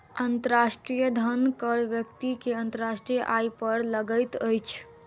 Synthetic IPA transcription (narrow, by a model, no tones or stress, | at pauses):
ənt̪əɾasʈɾijəd̪ʱənkəɾʋjəkt̪ikeənt̪əɾasʈɾijəʔajpəɾləɡəjt̪əjt͡ʃʰ